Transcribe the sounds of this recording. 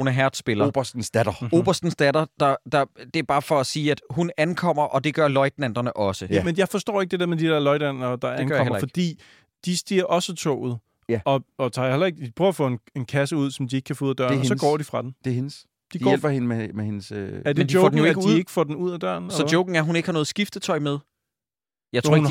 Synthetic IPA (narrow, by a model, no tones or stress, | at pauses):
unɐɦæɐ̰d̥sb̥elɐb̥ɐsd̥n̩sd̥ædɐo̝ːb̥ɐsd̥n̩sd̥ædɐd̥ɑ̈d̥ɑ̈d̥e̝ɐb̥ɑ̈ːfɒ̽æsiːæd̥ɦunænkʰɒ̽m̰ɐʔɒ̽d̥e̝ɡ̥ɶɐlɒ̽ɪd̥næn̰d̥ɐnəʔɒ̽səmenjɑ̈ɪfɒ̽sd̥ɔ̰ːeɡ̥̚d̥e̝̥eɐmed̥id̥eɐlɒɪd̥æn̰ɐd̥ɑ̈ænʰḛmɐ̰fɒ̥̽d̥ḭː | d̥isd̥iɐ̰ʔɒ̽sət͡sʰɔ̰ːð̩ˠ | ɒ̽ɒt͡sʰɑ̈ːjhelʔɐe̝ɡ̥̚ipʰʁœːfɔ̰ene̝nkʰæsəuð̞̰ˠsɒ̽md̥ieɡ̥̚kʰæfɔːuð̩̰ˠd̥ɶɐ̰nsɒ̽ɡ̥ɒ̰ːd̥ifʁɑ̈d̥emd̥ehens | d̥iɡi̥elb̥ɐhenmemehenəsæɐd̥end̥ioʊɔ̰ɡden̩joeɡið̰ˠeɡ̥ə̥fɔ̰ːd̥enuð̰ˠæd̥ɶɐ̰nesɒ̥joʊɡ̥ŋ̩æɐɦune̝ɡ̥hɑnɔð̩ˠsɡ̥ifd̥ət͡sʰɒ̽ɪ̰með̞ˠ | jɑɪt͡sʰo̰n